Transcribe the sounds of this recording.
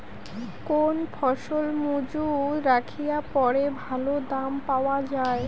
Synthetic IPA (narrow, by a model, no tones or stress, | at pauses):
konpʰɔʃolmud͡ʑuɾakʰijapɔɾebʱalod̪ampaoad͡ʑae